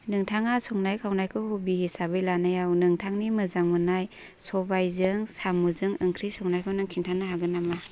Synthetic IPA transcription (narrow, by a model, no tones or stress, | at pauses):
nɯŋtʰaŋasɔŋnajkʰawnajkʰɯwhubihisabɯjlanajawnɯŋtʰaŋnimɯzaŋmɯnaj | sɔbajzɯŋsamuzɯŋɯŋkʰɾisɔŋnajkʰɯwnɯŋkʰintʰaŋnɯhaɡɯnama